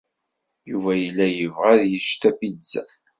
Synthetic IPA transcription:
juvæjəlːæjəvʁæðjəʃt̪æbizæ

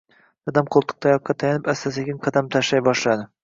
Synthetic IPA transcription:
t̪ɑd̪amqʰolˠt̪ʰɨ̥q̚t̪ʰajɒqʰːɑt̪ʰajanɪpast̪asɪɡʲɪnqʰɑd̪amt̪ʰaʃlajbɒʃlad̪ɪ

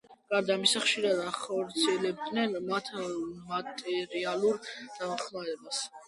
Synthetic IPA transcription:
ɡ̥aɾd̪aːmisaχʃiɾad̪aχɔɾt̪sʰiɛlɛb̚d̪nɛnmat̪ʰmat̪ʼɛɾialˠuɾd̪̥aaχmaɾɛbas

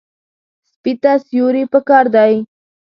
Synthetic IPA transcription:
spit̪asjuɾipəkɑɾd̪aj

